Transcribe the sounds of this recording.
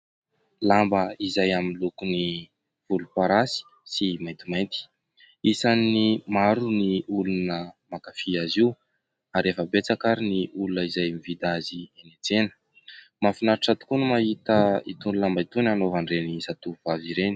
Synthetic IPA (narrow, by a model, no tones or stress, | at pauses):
lambəizajaminlukuni | v̥ulupaɾasi̥ | simajnt̪imajnt̪i̥ | isanimaɾuniulunəmakafiaziw | aɾefəbet͡sakaɾiniulunəizajmivid̪azienet͡senə̥ | mafinaɾiʈ͡ʂat̪u̥kunumaɦit̪əit̪unilambəit̪unanovanrenisat̪uuvaviɾeni̥